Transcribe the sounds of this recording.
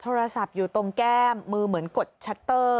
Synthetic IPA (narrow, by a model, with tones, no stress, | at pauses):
t̪ʰoː˧ɾa˧sa˨˩p̚juː˨˩t̪o˧ŋkɛː˥˩mːɯː˧mɯ˩˦ənko˨˩t̪̚t͡ɕʰa˦˥t̪ːɤː˥˩